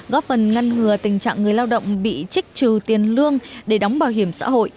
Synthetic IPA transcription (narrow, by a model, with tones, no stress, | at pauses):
ɣɔ˦˥p̚fə˨˩nŋa˧jŋ̟ŋɨ˨˧˩ət̪ï˨˩ŋ̟t͡ɕa̰ː˧˨ŋːɨ˨˩əjlaː˧wɗə̰˧˨wŋ͡mɓḭ˧˨t͡ɕi˦˥k̟̚t͡ɕɨ˨˩t̪i˨˩ənlɨ˧əŋɗe˧˩ɗɔ˨˦wŋ͡mɓaː˨˩wɦi˧˩əmsa̰ː˧˥ɦo̰˧˨j